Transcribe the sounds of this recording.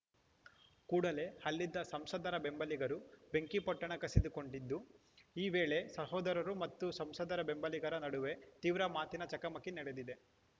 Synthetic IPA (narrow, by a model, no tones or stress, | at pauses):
kuːɽɐle̞hɐlːid̪ːɐsɐmsɐd̪ɐɾɐbe̞mbɐliɡɐɾube̞ŋkipɐʈːɐɳɐkɐsid̪uko̞ɳɖid̪ːu | iːʋe̞ːɭe̞sɐɦɔːd̪ɐɾɐɾumɐt̪ːusɐmsɐd̪ɐɾɐbe̞mbɐliɡɐɾɐnɐɽuʋe̞t̪iːʋɾɐmaːt̪inɐt͡ʃɐkɐmɐkːinɐɽed̪id̪e̞